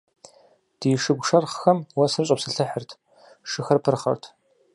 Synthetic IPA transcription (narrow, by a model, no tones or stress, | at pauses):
d̥iːʂɨɡʷʂɐrχxɐmwɐsɨrɨɕʷʼɐpsɨɬʰɨħərtʰ | ʂɨxɐrpʰɨrχɐ̰rtʰ